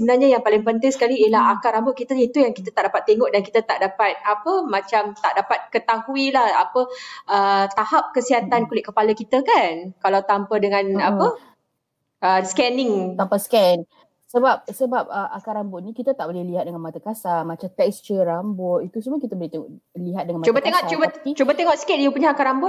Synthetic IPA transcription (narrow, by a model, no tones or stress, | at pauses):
səbənarɲajaŋpalɪŋpənt̪aŋsə̥kaliiəlaɦakaɾambʊʔ̚kit̪əit̪ujaŋkit̪at̪aʔdapat̪ːeŋɔʔ̚dankit̪at̪aʔdapat̪̚apəmãt͡ʃamt̪aʔdapat̪̚kət̪ahuilahapəʔət̪ahap̚kəsiɦat̪ankulɪt̪ʔ̚kəpaləkit̪əkankalawt̪ampadəŋãnapə | əskɛnɪŋt̪ampaskɛn | səbap̚səbap̚əʔakaɾambʊʔ̪̚nikit̪ət̪aʔ̚bolɛhliɦat̪̚dəŋanmat̪akasamat͡ʃamt̪ɛkst͡ʃəɾambɔit̪usumukit̪əbolɛht̪eŋɔʔliɦat̪̚dəŋanmat͡ʃubat̪eŋɔʔt͡ʃubət͡ʃubət̪eŋɔʔsi̥kɪt̪̚japuɲaakaɾambʊt̪